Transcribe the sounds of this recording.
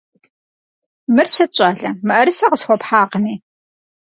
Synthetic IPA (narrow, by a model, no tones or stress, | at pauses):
mɨrsɐt͡ʃʼaːɮɐmɨʔɐɾɨsɐʁəsχʷɔpħaːqəniː